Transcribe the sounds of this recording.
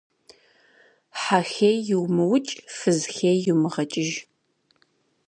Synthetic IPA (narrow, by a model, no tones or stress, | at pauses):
ħaxejjɪwmɨwʊt͡ʃʼfɨzxeːjjuwmɨʁɐt͡ʃʼɪʒ